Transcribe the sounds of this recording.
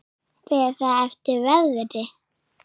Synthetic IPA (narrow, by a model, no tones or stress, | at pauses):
pɛɾ̥θaɛft̪ɪɾvɛððɾɪ